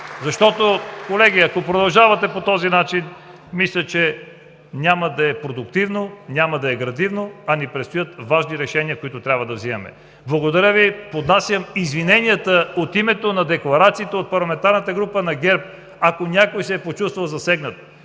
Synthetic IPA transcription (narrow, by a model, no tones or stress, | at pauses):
zɐʃt̪ɔt̪okolɛɡʲiɐkopɾod̪ɐlˠʒavɐt̪ɛpot̪ɔzinat͡ʃin | mislʲət͡ʃɛ | nʲaməd̪ɐɛpɾod̪ʊkt̪ivnonʲaməd̪ɐɛɡɾɐd̪ivnoɐnɛpɾɛt̪st̪ojət̪vaʒniɾɛʃɛniəkoit̪ʊt̪ɾʲabvɐd̪ɐvzimɐmɛ̰ | blˠɐɡod̪ɐɾʲəvipod̪nasʲjəmizvinɛniət̪əot̪imɛt̪onɐd̪ɛklˠɐɾat̪siːt̪ɛot̪̚pɐɾlˠɐmɛnt̪aɾnət̪əɡɾupənɐɡʲɛɾp̚ | ɐkonʲakojsɛpot͡ʃust̪vɐlˠzɐsɛɡnət̪